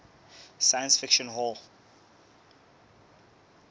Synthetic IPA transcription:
sajə̃nsfɪkʃə̃nɦɔlˠ

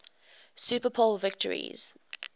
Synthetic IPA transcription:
supəpʰolvɪk̚tʰə̰ɹḭz̥

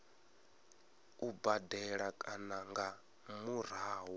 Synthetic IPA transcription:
ubadɛɺakʼanaŋɡa | muɾ̤aːwɔ

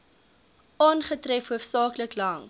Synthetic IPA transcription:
ʔɑnχətrɛfɦuəfsɑːkləklɐŋ

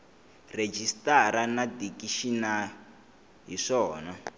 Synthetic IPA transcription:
red͡ʒistaɾanadikiʃina | ɦiʂɔːna

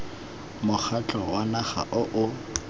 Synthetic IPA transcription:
mʊχat͡ɬʼɔwanaχa̰ʔʊʔʊ

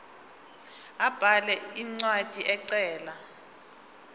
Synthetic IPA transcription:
ab̥ʱalɛiŋ͡ǀwad̥ʱiʔɛǀɛːla

